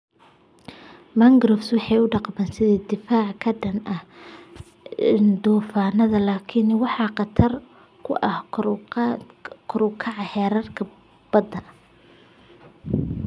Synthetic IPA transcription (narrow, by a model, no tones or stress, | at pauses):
mɐŋɡɾɔfswɑħɑjʊɖɑqmɛːnsɪðɐd̪ɪfaːʕkʰɐɖɐnʔɐh | nd̪ɔːfaːnɐðɐlaːkʰɪnwɑħɑqɑt̪ʰɐr | kʰʊʔɐh | kʰʊɾʊkʰɑʕɑhɛːɾɐrkʰɐ | b̥ɐd̪ɐ